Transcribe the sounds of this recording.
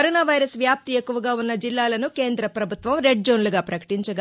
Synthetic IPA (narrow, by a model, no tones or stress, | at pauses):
ɾoːnaːʋɐjɾɐsʋjaːp̚t̪ie̞kːuʋɐɡaːunːɐd͡ʒilːaːlɐnuke̞ːnd̪ɾɐpɾɐbʱut̪ʋɐmɾe̞ɖ̚d͡ʒoːnluɡaːpɾɐkɐ̥ʈiɲt͡ʃɐɡ